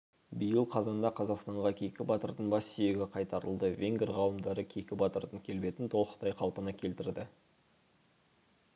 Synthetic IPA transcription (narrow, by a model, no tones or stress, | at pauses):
bijəlˠqʰɑzɑnd̪ɑqʰɑzɑqst̪ɑɴʁɑkʲʰe̞kʲɪbɑt̪əɾd̪ənbɑsːʏje̞ɡʲɪqʰɑjt̪ɑɾəlˠd̪əvʲe̞ŋɡʲɾʁɑw̪ˠəmd̪ɑɾəkʲʰe̞kʲɪbɑt̪əɾd̪əŋkʲʰe̞lbe̞t̪ɪnt̪ʰo̞lˠt̪ɑjqʰɑlˠpənɑkʲʰe̞lt̪ɪɾd̪ɪ